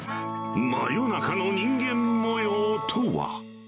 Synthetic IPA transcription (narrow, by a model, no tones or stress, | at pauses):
ma̰jonakʰanoɲiŋɡenːojot̪ʰowa̰